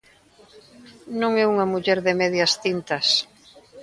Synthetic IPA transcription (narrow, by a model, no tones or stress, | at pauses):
nõŋɛuŋɐmuʎɛɾðɪmɛðjɐst̪int̪ɐs